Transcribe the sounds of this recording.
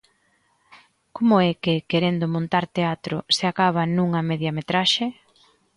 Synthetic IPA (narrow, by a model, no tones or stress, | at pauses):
komʊɛkɪkeɾend̪ʊmõnt̪aɾt̪eat̪ɾʊseakaβ̞ɐnuŋɐmeðjamet̪ɾaʃe